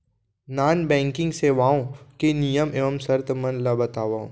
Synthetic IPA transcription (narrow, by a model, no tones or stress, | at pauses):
naːnbɛ̃ːŋkɪ̃ŋɡseːʋaːõkenijəmeːʋəmsɐɾt̪mɐ̃nlabɐt̪aːʋaːõ